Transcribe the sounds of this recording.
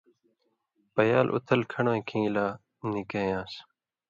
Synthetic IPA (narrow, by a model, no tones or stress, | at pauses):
pəjaːlʔʊ̰t̪ʰəlkʰəɳoːĩːkʰĩːlaː | nikeːjãːs